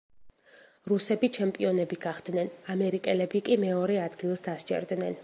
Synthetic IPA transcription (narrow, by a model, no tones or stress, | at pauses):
ɾusɛbit͡ʃʰɛmpʼiɔnɛbiɡ̥aχd̪̥nɛnamɛɾikʼɛlɛbikʼimɛɔɾɛad̪ɡilˠsd̪ast͡ʃʰʼɛ̰ɾd̪nɛn